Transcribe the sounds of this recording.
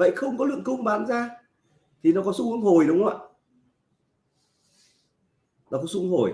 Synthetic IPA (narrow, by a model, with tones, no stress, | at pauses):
və̰˧˨jxə˧wŋ͡mkɔ˨˦lɨ̰˧˨əŋkʊ˧wŋ͡mɓaː˨˦nzaː˧ | t̪ʰi˨˩nɔ˨˦kɔ˨˦su˧ɨ˨˦ə˦ŋho˨˩jɗʊ˨˦wŋ͡ma̰ː˧˨ | nɔ˨˦kɔ˨˦su˧˦ho˨˩j